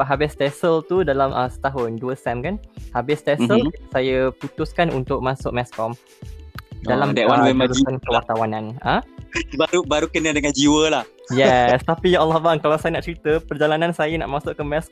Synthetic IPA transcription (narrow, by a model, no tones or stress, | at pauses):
ɦabɪst̪ɛsəlt̪udalamʔəsə̥t̪aɦʊnduəsɛmkanhabɪst̪ɛsəlisajəput̪ʊskanṵnt̪ʊk̚masʊʔ̚mɛskɔm | dalamdɛwanwɛmaɾuiankəwart̪awanãnə̃baɾubaɾukənədəŋãnd͡ʒiwəlahjɛst̪apijʔalːɔhbaŋkalawsajənaʔt͡ʃɾit̪əpərd͡ʒalanãnsajəna̰ʔmasʊʔkanmɛs